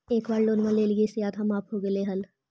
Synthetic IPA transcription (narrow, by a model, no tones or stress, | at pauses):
eːkbaːɾloːnmãleːlɡesɪjaːt̪ɦɐmaːpʰɦoɡəleɦɐl